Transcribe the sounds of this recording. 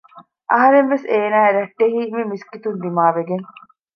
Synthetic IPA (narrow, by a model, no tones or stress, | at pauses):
ʔɐɦɐɾeŋʋeseːnaːeɾɐʈːeɦiːmemiskit̪und̪imaːʋeɡeŋ